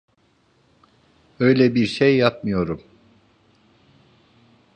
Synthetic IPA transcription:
ø̞jlʲɛbiɾʃejːap̚mɯjo̞ɾum

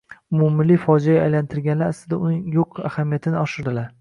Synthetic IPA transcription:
ʊmumɪlifɒd͡ʒajaajlant̪ʰɪɾɡʲanlaɾaslɪd̪aʊnɪŋjoqʰa̰hamijat̪ʰɪnɪɒʃɪɾd̪ɪlaɾ

